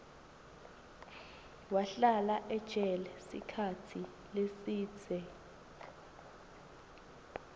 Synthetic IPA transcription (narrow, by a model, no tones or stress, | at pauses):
waɬalaʔɛ̥t͡ʃʼɛlɛsḭkʰatʰi | lesi̥ːd͡zʰʱɛ